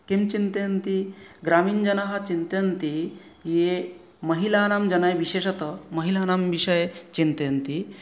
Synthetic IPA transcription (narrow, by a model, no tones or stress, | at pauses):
kimt͡ɕint̪ent̪iɡɾamiːnd͡ʒɐnaɦat͡ɕint̪ent̪i | je | məɦilanamd͡ʑɐnajʋiɕeʃɐt̪əməɦilanamʋiɕəjt͡ɕint̪ent̪i